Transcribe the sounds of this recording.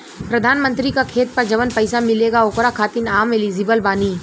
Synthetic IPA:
pɾɐd̪ʱaːnmə̃nt̪ɾikakʰeːt̪̚pɐɾd͡ʒɐʋənpɐɪsamɪleːɡaokɾakʰaːt̪inaːmɪliːzibəlbaːniː

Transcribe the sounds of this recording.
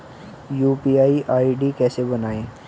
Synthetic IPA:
juːpiːaːiʔaːiɖikɛːsebɐnaːẽː

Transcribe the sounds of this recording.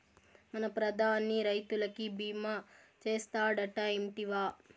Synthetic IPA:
mɐnɐpɾɐd̪ʱaːnːiɾɐjt̪ulɐkibiːmaː | t͡ʃeːst̪aːɽɐʈaːemʈiʋaː

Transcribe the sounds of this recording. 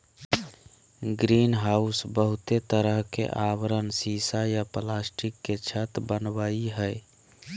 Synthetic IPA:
ɡɾinɦausbəɦut̪et̪əɾəɦkḛʔaʋɾənsisajaplasʈikːet͡ʃʰət̪bənbaiɦəj

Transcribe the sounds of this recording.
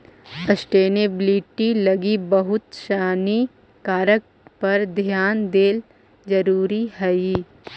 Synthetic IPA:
ɐsʈeːnebliʈilɐɡibɐɦʊt̪ʃaːni | kaːɾək̚ | pɐɾd̪ʱjaːnd̪eːl | d͡ʒɐɾuːɾiɦɛi

